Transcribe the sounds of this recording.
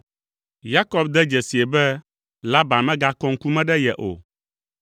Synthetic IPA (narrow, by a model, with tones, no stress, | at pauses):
ja˦kɔ˦b̚d̪ɛ˦d͡ʒɛ˨si˨e˨bɛ˦ | la˦ba˨nmɛ̃˦ɡa˦kɔ˦ŋ̩˦ku˦mɛ̃˦ɖɛ˦jɛ˨ʔo̰˨